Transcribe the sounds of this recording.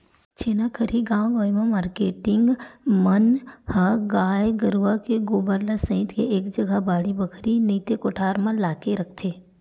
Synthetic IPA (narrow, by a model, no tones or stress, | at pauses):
t͡ʃeːnakʰəɾiɡãːɡoːjmãmaːɾkeːʈɪ̃ŋɡmənhəɡaːjɡəɾuʋakeɡoːbəɾlasə̃ɪt̪keʔeːkd͡ʒɐɡabaːɽibəkʰɾiniːt̪ekoʈʰaːɾmãlaːkeɾɐk̚ʰt̪ʰeː